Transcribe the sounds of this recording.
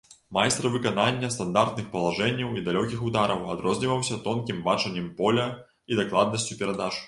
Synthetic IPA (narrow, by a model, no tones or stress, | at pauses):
majst̪ɾɐvɨkananʲːɐst̪and̪art̪̚nɨxpɐlˠaʐɛnʲːɐwid̪alʲɔkʲixud̪aɾɐwa̰d̪ɾɔzʲnʲivɐwsʲɐt̪ɔnkʲimbat͡ʂɐnʲːɛmpɔlʲɐ | id̪aklˠad̪nɐsʲt͡sʲupʲɛɾad̪at͡ʂ